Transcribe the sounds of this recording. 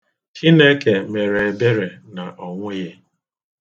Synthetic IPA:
hi˦ne˦ke˨me˨ɾe˨e˨be˦ɾe˨na˨ʔɔ˨ŋʷʊ˦je˦

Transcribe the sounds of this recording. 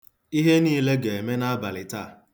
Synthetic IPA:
i˦ɦe˦niː˦le˦ɡe˨e˨me˦na˦a˦ba˨lɪ˨ta˦˨

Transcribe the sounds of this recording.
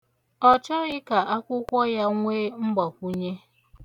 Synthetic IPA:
ɔ˨t͡ʃɔ˦ɣɪ˦ka˨ʔa˦kʷʊ˦kʷɔ˦ja˦ŋʷeː˦ŋ͡m̩˦ɡ͡ba˨kʷu˦ɲe˦

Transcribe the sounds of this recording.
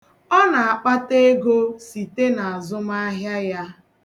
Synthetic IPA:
ɔ˦na˨a˨k͡pa˦te˦ɡo˦si˨te˦na˨a˨zʊ˦ma˦ɦja˦ja˦

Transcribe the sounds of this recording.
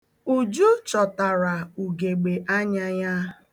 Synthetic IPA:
u˨d͡ʒu˦t͡ʃɔ˨ta˨ɾa˨u˨ɡe˨ɡ͡be˨ʔa˦ɲa˦ɲa˦

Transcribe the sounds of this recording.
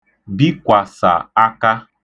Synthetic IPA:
bi˦kʷa˨sa̰˨a˦ka˦

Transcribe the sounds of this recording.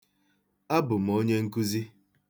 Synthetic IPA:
a˦bʊ˨m̩˨o˦ɲe˦ŋ̩˦ku˦zi˦

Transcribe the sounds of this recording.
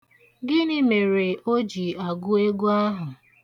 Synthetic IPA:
ɡɪ˦nɪ˦me˨ɾe˨o˦d͡ʒi˨a˨ɡʊ˦e˦ɡu˦a˦ɦʊ˨

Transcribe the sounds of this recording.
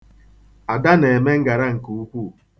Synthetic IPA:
a˨da˦ne˨e˨me˦ŋ̩˦ɡa˨ɾa˦ŋ̩˨ku˨u˦kʷu˦˨

